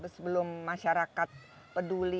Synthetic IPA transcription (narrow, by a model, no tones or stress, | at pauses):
bəsəbəlʊmːaʃaɾakat̪̚ | pəduli